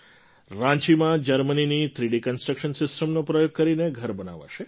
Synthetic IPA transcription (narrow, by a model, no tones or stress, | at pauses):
ɾãɲt͡ʃimãd͡ʒəɾməninit̪ʰɾiɖikənsʈɾəkʃənsɪsʈəmnopɾəjoɡ̚kəɾineɡʱəɾbəna̰ʋa̰ʃe